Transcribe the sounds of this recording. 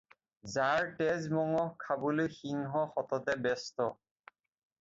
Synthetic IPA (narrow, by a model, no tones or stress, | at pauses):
zaɹtɛzmɔŋɔkʰːabolojxiŋɦɔxɔtɔtɛbɛstɔ